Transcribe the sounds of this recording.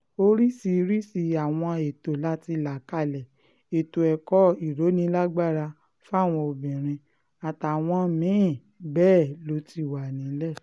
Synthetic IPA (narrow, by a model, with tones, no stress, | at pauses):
o˧ɾi˦si˧˦ɾi˦si˧a˨w̃ɔ̃˧e˨to˨la˦ti˧la˨ka˦˨lɛ˨ | e˨to˨ɛ˨kɔ˦i˨ɾo˨˦nĩ˧˦la˦ɡ͡ba˦˨ɾa˧ | fa˦˨w̃ɔ̃˧o˧bĩ˨ɾ̃ĩ˧ | a˨ta˨w̃ɔ̃˧mĩ˨˦˨ | bɛː˦˨lo˨˦ti˧˦˨wa˨nĩ˨˦lɛ˦˨